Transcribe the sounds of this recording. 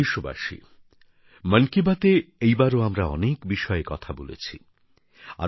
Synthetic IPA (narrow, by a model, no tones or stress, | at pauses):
iʃoba̰ʃḭ | mənkibat̪eejbaɾoamɾaɔ̰nekbiʃɔekɔt̪ʰabolḛt͡ɕʰi | a̰